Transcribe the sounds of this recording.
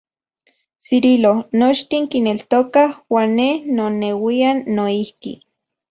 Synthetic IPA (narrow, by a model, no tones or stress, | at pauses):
siɾilonot͡ʃt̪iŋkinelt̪okahwaːnːehnonewianːoihkḭ